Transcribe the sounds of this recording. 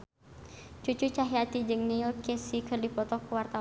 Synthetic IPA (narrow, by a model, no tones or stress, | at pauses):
t͡ʃut͡ʃut͡ʃaɦiat̪id͡ʒɨŋnɛɔrkesikʰərdipɔt̪ɔkuwart̪a